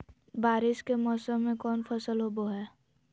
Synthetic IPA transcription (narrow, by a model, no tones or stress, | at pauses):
baːɾɪʃkemɔːsəmːẽkɔːnfʰəsəlɦoːboɦɛː